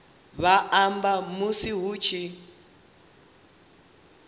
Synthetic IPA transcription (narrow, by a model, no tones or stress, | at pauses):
βaʔambamusiɦuːt͡ʃʰi